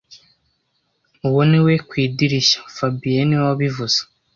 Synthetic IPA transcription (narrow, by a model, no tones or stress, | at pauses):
uwoniwekwiːdiɾiʃḁfabijeniwaβivuz̥ḁ